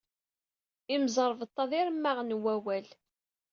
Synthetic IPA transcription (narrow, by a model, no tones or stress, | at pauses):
imzˤəɾˤvət̪ˤːɑðiɾmːaʁnwæwæl